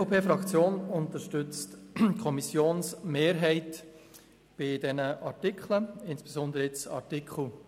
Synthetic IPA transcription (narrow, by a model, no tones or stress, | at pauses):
opʰeːfɾɑkt͡sjoːnʊntəʃtʏt͡stkʰɔmisjoːnsmeːɾɦɛɪt | b̥ɪdɛnəʔɑɾtikχləɪnsb̥ezɔnd̪əɾəɪt͡sɑ̰ɾtikχl̩